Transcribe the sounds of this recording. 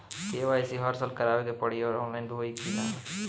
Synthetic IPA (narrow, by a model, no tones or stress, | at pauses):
teːʋaːisiɦəɾsəlkəɾaːʋeːkepəɽioːɾɔːnlaːinb̪oiːkiːnaː